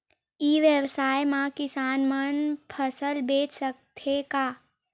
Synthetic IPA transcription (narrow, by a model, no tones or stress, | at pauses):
iːʋjəwsaːjmãkɪsaːnmənpʰəsəlbeːt͡ʃsək̚t̪ʰekaː